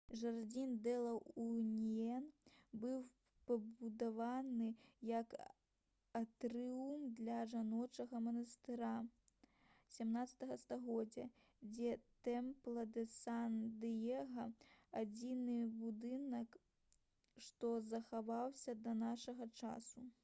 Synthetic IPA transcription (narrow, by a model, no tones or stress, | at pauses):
ʐard͡zʲind̪ɛlˠɐunʲijɛnbɨw | pɐbud̪avanɨjɐk | at̪ɾɨumd̪lʲɐʐanɔt͡ʂɐɣɐmɐnɐst̪ɨɾa | sʲamnat̪sɐ̥t̪ɐɣɐst̪aɣɔd͡zʲːɐ | d͡zʲɛt̪ɛmplˠɐd̪ɛsand̪ɨjɛɣɐad͡zʲinɨbud̪ɨnɐk | ʂt̪ɔzɐxavawsʲɐd̪ɐnaʂɐɣɐt͡ʂa̰su